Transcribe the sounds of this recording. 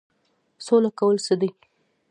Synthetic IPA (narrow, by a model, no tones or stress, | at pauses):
solakawəlsəd̪əj